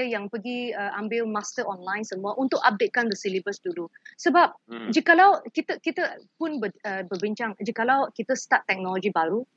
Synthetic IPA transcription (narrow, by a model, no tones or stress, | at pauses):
əjaŋpəɡiəʔambɪlmast̪əʔɔnlajnsəmuaʔunt̪ʊkap̚det̪̚kand̪əsilibəsdulusəbap̚d͡ʒikalawkit̪əkit̪əpʊnbəəbərbiɲt͡ʃaŋd͡ʒəkalawkit̪əst̪at̪ːɛk̚nɔlɔɡibaɾu